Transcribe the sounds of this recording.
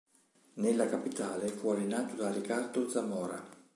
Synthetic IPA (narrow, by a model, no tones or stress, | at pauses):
nelːakapit̪aːlefualinaːt̪od̪arikard̪od̪zamɔːɾa